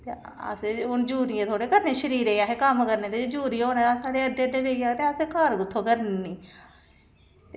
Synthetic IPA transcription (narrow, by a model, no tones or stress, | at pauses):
t̪eː | ə̰seʊnd͡ʒuːɾɪãːt̪ʰoːɽeːkəɾneːʃəɾiːɾeːaːɦeːkəmkəɾneːt̪eːeːd͡ʒuːɾijãoːnẽːasaːɽeːəɖeːəɖeːbeːɡaːt̪eːəseːkaːɾɡʊt̪ʰːoːkəɾnnːiː